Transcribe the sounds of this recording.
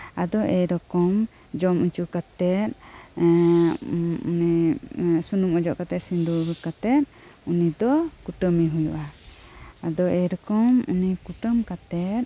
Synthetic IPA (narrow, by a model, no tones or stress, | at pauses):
ad̪ɔʔɛjɾɔkɔm | d͡ʒɔmuɲt͡ʃukat̪ɛt̪̚ | ṵni | sunumɔd͡ʒɔʔkat̪ɛt̪̚sind̪uɾkat̪ɛt̪̚ | unid̪ɔkuʈəmiɦujuʔa | ad̪ɔʔɛɾɔkɔmṵnikuʈəmkat̪ɛt̪̚